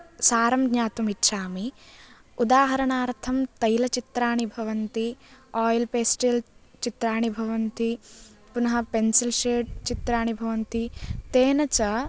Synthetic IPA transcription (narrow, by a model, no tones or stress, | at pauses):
saːɾɐmɡɲaːt̪umitːʃaːmi | ud̪aːɦɐɾɐɳaːɾt̪ʰɐmt̪ɐjlɐt͡ʃit̪ɾaːɳibʱɐʋɐnt̪iaːjlpeːsʈelt͡ʃit̪ɾaːɳibʱɐʋɐnt̪i | punɐɦɐpensilʃeːʈ̚t͡ʃit̪ɾaːɳibʱɐʋɐnt̪it̪eːnɐt͡ʃɐ